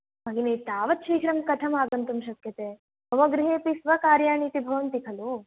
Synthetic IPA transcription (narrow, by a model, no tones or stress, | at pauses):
mɐɡineːt̪aːʋɐt̪̚t͡ʃʰijkɾɐmkɐt̪ʰɐmaːɡɐnt̪ɐmʃɐkjɐt̪eː | ɐʋɐɡɾiɦeːpisʋɐkaːɾjaːɳiːt̪ibʱɐʋɐnt̪ikʰɐlu